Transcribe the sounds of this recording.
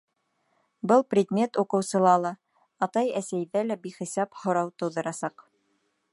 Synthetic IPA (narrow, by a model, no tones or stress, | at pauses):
bɤlˠprʲɪd̪mʲe̞t̪uqɤ̆wsɤ̆lˠɑlˠɑ | ɑt̪ɑjæsæjðælæbiχisɑphŏɾɑwt̪ɤ̆wðɤ̆ɾɑsɑq